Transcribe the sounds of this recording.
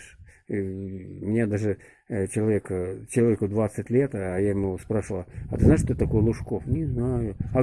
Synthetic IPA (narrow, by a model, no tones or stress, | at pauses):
ʂ | mʲɪnʲad̪aʐɨ | t͡ɕɪlˠɐvʲekt͡ɕɪlˠɐvʲekʊd̪vat̪sɨtʲlʲet̪ːjajɪmuspɾaʂɨvəlˠɐt̪ɨznaɪʂt̪ot̪t̪ɐkojəlˠʊʂkofnʲɪznajʊɐ